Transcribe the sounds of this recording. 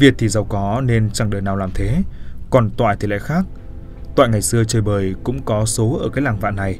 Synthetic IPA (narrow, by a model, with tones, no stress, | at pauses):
vi˨˩ət̚t̪ʰi˨˩za˨˩wkɔ˨˦ne˧nt͡ɕa˧˩ŋɗəː˨˩jnaː˨˩wlaː˨˩mt̪ʰe˨˦kɔ˨˩nt̪wa̰ː˧˨j̪ʰi˨˩la̰ː˧˥˨xaː˦˥k̚ | t̪wa̰ː˧˨jŋa˨˩jsɨ˧ət͡ɕəː˨˩jɓəː˨˩jkʊ̰˧˥ŋ͡mkɔ˨˦so˨˦ʔəː˧˩kaː˨˦jlaː˨˩ŋva̰ː˧˨nːa˨˩j